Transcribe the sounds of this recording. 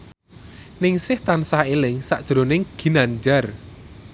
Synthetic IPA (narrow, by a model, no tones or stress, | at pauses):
nɪŋsɪht̪ansahelɪŋsaʔd̥ʒ̥ɾonɪŋɡ̥i̤nand͡ʒar